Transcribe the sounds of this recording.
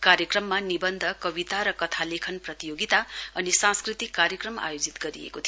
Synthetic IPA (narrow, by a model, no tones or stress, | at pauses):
kaɾjʌkrʌmːanibʌnd̪ʱʌkʌbit̪aɾʌkʌt̪ʰalekʰʌnprʌt̪ijoɡit̪aʌnisãskrit̪ikːarjʌkrʌma̰jod͡zit̪ɡʌɾḭḛkot̪ʰi